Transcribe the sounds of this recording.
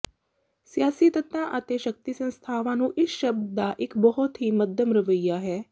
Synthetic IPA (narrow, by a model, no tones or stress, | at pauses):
sijaːsiːt̪ət̪ãːʔət̪eːʃək̚t̪iːsə̃nst̪ʰaːʋãːnũːʔɪsʃəb̚d̪d̪aːʔɪkbɔɦɔt̪ɦiːməd̪ʱjəmɾəʋəiːjaːɦɛː